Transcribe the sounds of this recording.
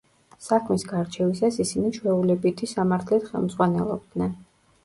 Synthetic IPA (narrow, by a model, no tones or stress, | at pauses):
sakʰmisɡaɾt͡ʃʰɛvisasisinit͡ʃʰwɛulɛbit̪ʰisamaɾt̪ʰlɛt̪χɛ̰lˠmd̪z̥ʼʁwanɛ̰lˠɔ̰b̚d̪nɛn